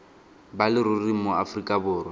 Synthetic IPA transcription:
balɪɾʊrimoafrikʼabʊːrwɔ

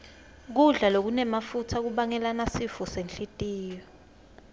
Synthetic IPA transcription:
k̬uɮalok̬unɛmafutʰak̬uɓaŋɛlanasifɔsenɬʼitʼiːjɔ

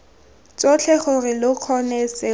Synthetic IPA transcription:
t͡sot͡ɬʰɛχʊrɪlʊq͡χʰɔnɛsɪ

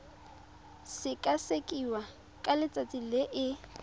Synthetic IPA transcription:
sɪkʼasekʼiwa | kʼalɪt͡sʼat͡sʼilɪʔɪ

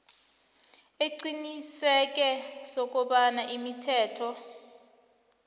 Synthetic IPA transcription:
eǀinisɛk̬ʼɛsok̬ʼuɓanaʔimitʰɛːtʰɔ

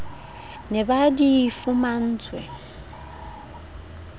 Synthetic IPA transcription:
nebadɪifʊman̩tʰwḛ

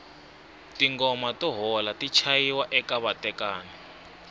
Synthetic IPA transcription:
tiŋɡɔmatɔɦɔlatit͡ʃʰajiwaʔɛkaβatɛkaːna

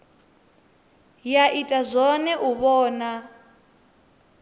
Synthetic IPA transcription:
jaʔitʼazʷɔnɛʔuβɔːna

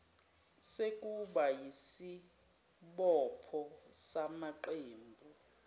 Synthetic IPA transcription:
sekʼuɓajisi | ɓɔpʰɔsamaǃeːmbʱu

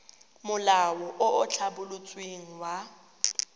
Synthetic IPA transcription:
mʊlawɔʔʊʔʊt͡ɬʰabʊlʊt͡sʼweŋ̩wa

